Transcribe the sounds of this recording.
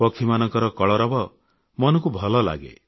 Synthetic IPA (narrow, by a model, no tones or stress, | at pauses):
pɔkʰimanɔŋkɔɾɔkɔɭɔɾɔbɔ | mɔnɔŋkubʱɔlɔla̰ɡḛ